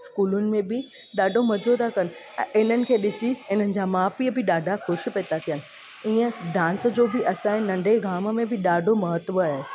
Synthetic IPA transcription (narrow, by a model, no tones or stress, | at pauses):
skuːlʊnɪ̆mẽbɪ | ɗaːɖʱomɐd͡ʑʱot̪ʰakɐnɪ̰̆̃ | ʔɪn̤ənɪ̆kʰeːɗɪsiɪn̤ənɪ̆d͡ʑamaːpiəbʱɪɗaːɖʱaxʊʃ̆peːt̪at̪ʰijənɪ̆ | iːə̃ɖãːnsd͡ʑoːbɪʔɐsãːɦɪ̃nɐ̃ɳɖʱeɡʱaːmə̆mẽbʱɪɗaːɖʱomɐɦət̪ʋəaɦe